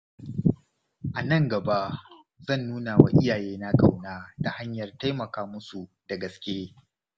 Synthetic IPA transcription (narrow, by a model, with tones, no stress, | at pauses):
ʔa˨nɐ˦ŋɡɐ˨ba˦ʔ | zɐ˦˨nːuː˦na˨wa̰˨˦ʔɪ˦jaː˨jeː˦na˦kʼa˨wnaː˦da˨ha˦ɲjɐ˨rta˦jmɐ˨kaː˦mʊ˦su˨ | d̥a˨ɡɐ˨skʲeː˦